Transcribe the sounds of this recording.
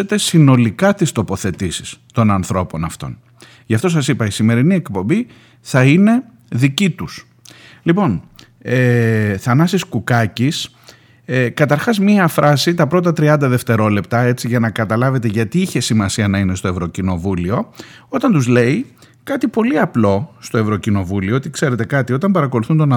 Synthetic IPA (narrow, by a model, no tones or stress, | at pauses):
et̪e̞sino̞likɐt̪ist̪o̞po̞θe̞t̪isi̥st̪o̞nɐnθɾo̞po̞nɐft̪o̞̰n | ʝɐft̪o̞s̬ɐsipɐisime̞ɾinie̞kpo̞mbi | θɐine̞ | ðicit̪us | lipo̞n | eθɐnɐsiskukɐcis | kɐt̪ɐɾxɐzmiɐfɾʔɐsit̪ɐpɾo̞t̪̬ɐt̪ɾiɐnd̪ɐðe̞ft̪e̞ɾo̞le̞pt̪ɐe̞t͡siʝɐnɐkɐt̪ɐlɐve̞t̪eʝɐt̪iiçe̞simɐsiɐnɐine̞st̪o̞e̞vɾo̞cino̞vulio̞ | o̞t̪ɐnt̪uzle̞i | kɐt̪ipo̞liɐplo̞st̪o̞e̞vɾo̞cino̞vulioot̪ikse̞ɾe̞t̪e̞kɐt̪io̞t̪ɐmbɐɾɐko̞luθund̪o̞nɐ